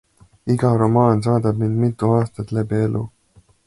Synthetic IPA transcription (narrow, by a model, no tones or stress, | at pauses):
iɡ̥ɑɾomɑːns̬ɑːd̪ɑbnind̪mit̪ːˑuɑːst̪ɑt̪ˑlebielṵ